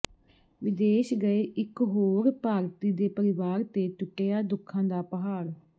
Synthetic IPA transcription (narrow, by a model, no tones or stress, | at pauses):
ʋɪd̪eːʃɡəeːʔɪkɦoːɾpaːɾt̪iːd̪eːpəɾɪʋaːɾt̪eːt͡ʃʊʈːeːaːd̪ʊkʰːãːd̪aːpəɦaːɾ